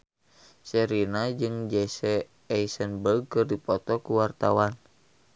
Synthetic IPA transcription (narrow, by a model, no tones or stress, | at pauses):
sɛɾinad͡ʒɨŋd͡ʒɛsɛ | ɛisənbərɡ̚kɨrdipɔt̪ɔkuwart̪awan